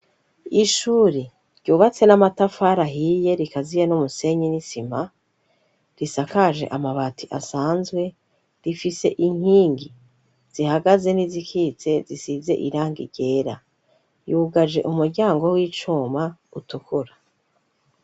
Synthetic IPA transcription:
iʃuːɾi | ɾɟuːβat͡se̞namatafaːɾaɦije̞ɾikazijenumuse̞ɲinisim̥a | ɾisakaʒe̞̰ʔamaβatʰiʔasaːnzɡwe̞ | ɾifise̞̰ʔiŋ̥iːŋɡi | z̥ihaɡaze̞nizikʰiːt͡se̞zisize̞̰ʔiɾaːŋɡiɾɟe̞ːɾa | juɡaʒe̞̰ʔumuɾɟaːŋɡo̞wiːt͡ʃumautukuɾa

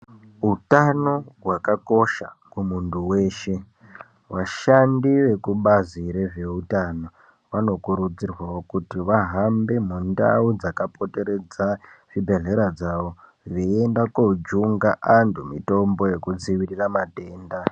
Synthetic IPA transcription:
ɦutano̞ɦwakako̞ʃakumuntuwe̞ːʃe̞ | ʋaʃandiʋe̞kuɓaziɾeʐe̞utano̞ | ʋano̞kuɾud͡zirwaokutiʋaɦambe̞munda̰ud͡zakapo̞te̞ɾe̞d͡zaʐ̥ibʱe̞ɮe̞ɾad͡zaʋo̞ | ʋiendakod͡ʒuŋɡaʔantʰumito̞mbo̞je̞kud͡ziʋiriramate̞ːnda

